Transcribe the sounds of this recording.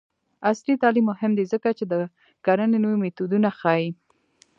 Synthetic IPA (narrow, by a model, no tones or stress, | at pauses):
aslit̪ɑlimːʊhɪmd̪izəkat͡ʃed̪ə | ɡ̥aɾənenowimit̪ud̪unaxɑji